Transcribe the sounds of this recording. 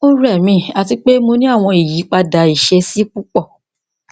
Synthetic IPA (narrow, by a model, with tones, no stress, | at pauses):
o˦ɾɛ˦˨mĩ˧˦a˨ti˧k͡pe˦mo˧nĩ˦a˦˨w̃ɔ̃˧i˨ji˨˦k͡pa˧da˨i˨ʃe˧si˦k͡pu˦k͡pɔ˦˨